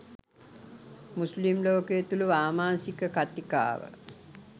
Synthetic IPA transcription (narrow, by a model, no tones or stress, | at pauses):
muslimloːkejet̪uluʋaːmaːsikəkat̪ika̰ːʋə̰